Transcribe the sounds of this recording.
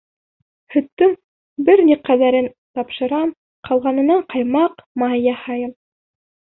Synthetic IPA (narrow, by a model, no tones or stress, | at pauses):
hɵ̆t̪ːɵŋ | bɘɾniqæðæɾɘn | t̪ɑpʃɤ̆ɾɑm | qʰɑlˠʁɑnɤ̆nɑɴqɑjmɑqmɑjɑhɑjɤm